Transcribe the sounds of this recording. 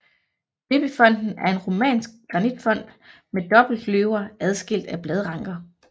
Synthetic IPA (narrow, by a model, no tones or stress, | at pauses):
b̥eb̥əfɒ̽n̰d̥n̩æɐe̝nʁo̝mɛ̰ːnsɡ̥̚ɡ̥ʁɑ̈nid̥fɒ̽n̰d̥ | med̥ɒ̽b̥l̩d̥løʊɐʔæð̞ˠsɡ̥el̰d̥æb̥lɛð̞ˠʁɑ̈ŋ̰ɡ̥ɐ